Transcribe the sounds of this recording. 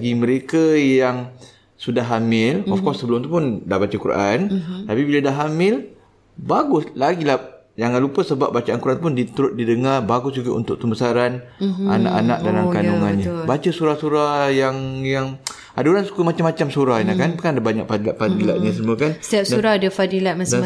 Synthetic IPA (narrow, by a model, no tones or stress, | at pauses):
ɡimə̃ɾekajaŋ | sudaɦamɪlɔfkɔsːəbəlʊmt̪upʊndahbat͡ʃakuɾʔa̰nt̪apibiladaɦamɪl | baɡʊslaɡila | jaŋanlupəsəbap̚bat͡ʃaʔankuɾʔanup̬ʊndit̪əɾʊt̪̚didəŋarbaɡʊsd͡ʒuɡaʔṵnt̪ʊk̚t̪əmbəsaɾana̰na̰ʔana̰k̚dalamkanuŋanɲabat͡ʃəsuɾahsuɾajaŋjaŋ | adauɾansu̥kəmat͡ʃamːat͡ʃamsuɾahinakanpəkanadabaɲaʔfadilaʔ̚fadilaʔ̪̚ɲas̬əmuəkansət̪iap̚suɾahdəfadilaʔmasa